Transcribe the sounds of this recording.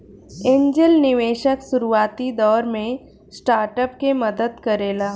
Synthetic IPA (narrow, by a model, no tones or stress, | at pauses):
ẽːɲd͡ʒəlnɪʋeːʃəksʊɾuaːt̪id̪ɔːɾmẽ | sʈaːɾʈəpkemɐd̪əd̪kɐɾeːlaː